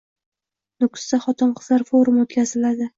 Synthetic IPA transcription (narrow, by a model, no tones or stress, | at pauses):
nʊk̪ʲsaχɒt̪ʰɪnqʰɨz̥laɾfoɾʊmot̪kʲazɪlad̪ɪ